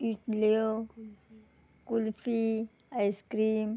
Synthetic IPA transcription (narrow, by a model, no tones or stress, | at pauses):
iʈleo | kulfi | ajskɾiːm